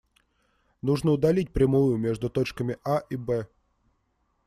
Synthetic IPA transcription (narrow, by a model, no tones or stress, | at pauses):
nuʐnəʊd̪ɐlʲit̚ʲpɾʲɪmujʊmʲe̞ʐd̪ʊt̪ot͡ɕkəmʲɪʔaʔibɛ